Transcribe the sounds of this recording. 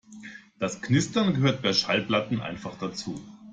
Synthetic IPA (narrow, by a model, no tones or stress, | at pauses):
d̥asknɪstɐnɡəɦøːɐt̚b̥aɪʃalplatn̩ʔa̰ɪnfaχd̥at͡suː